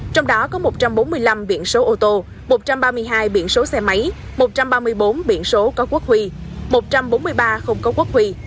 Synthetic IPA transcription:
t͡ɕɔ˧wŋ͡mɗɔ˨˦kɔ˨˦mo˨˩t̚t͡ɕa˧mɓo˨˦nmɨ˧əjla˧mɓḭ˧˨ənso˨˦ʔo˧t̪o˧ | mo˨˩t̚t͡ɕa˧mɓaː˧mɨ˧əjɦaː˧jɓḭ˧˨ənso˨˦sɛ˧ma˨˦j | mo˨˩t̚t͡ɕa˧mɓaː˧mɨ˧əjɓo˨˦nɓḭ˧˨ənso˨˦kɔ˨˦ku˦˥k̚hwi˧mo˨˩t̚t͡ɕa˧mɓo˨˦nmɨ˧əjɓaː˧xə˧wŋ͡mkɔ˨˦ku˦˥ək̚hwi˧

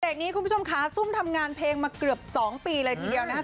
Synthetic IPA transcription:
deː˨˩k̚niː˦kʰu˧npʰu˦˥˩o˧m˧kʰa˦˥su˥˩mt̪ʰa˧mŋaː˧npʰleː˧ŋmaː˧kɾɯ˨˩əp̚sɔː˩˦ŋpiː˧lɤː˧jt̪ʰiː˧di˧əwna˦˥

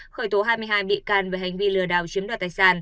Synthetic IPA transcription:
xəː˧˩jt̪o˨˦ɦaː˧jmɨ˧əjɦaː˧jɓḭ˧˨kaː˧˩nve˨˩ha˨˩jŋ̟vi˧lɨ˨˩əɗaː˨˩wt͡ɕi˨˦ənɗaː˨˩t̪aː˨˩jsaː˧˩n

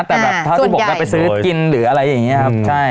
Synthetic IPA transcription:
t̪ɛː˨˩bɛː˨p̪̚ʰa˥˩˦bːkːa˧˩pa˧jsɯː˦˥˩ki˧nɾɯː˩˦ʔa˧ɾa˧jːa˨˩ŋːi˦˥ɐkʰa˦˥pt͡ɕʰa˥˩j

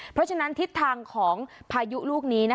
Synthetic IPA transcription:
pʰɾɔ˦˥t͡ɕʰa˧na˦˥nt̪ʰi˦˥t̪ʰːaː˧ŋkʰɔː˩˦ŋpʰaː˧ju˦˥luː˥˩k̚niː˦˥na˦˥

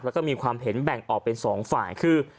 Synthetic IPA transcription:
p̚lːwkɔː˥˩miː˧kʰwaː˧mɦe˩˦nbɛ˨˩ŋʔɔː˨˩k̚pe˧nsɔː˩˦ŋfaː˨˩jkʰɯː˧˩

